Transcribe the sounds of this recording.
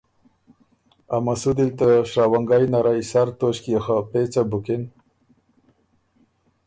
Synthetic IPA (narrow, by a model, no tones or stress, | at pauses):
amasud̪ilt̪aʂɾawaŋɡajnaɾaisaɾt̪oɕkiaxapet͡sabuken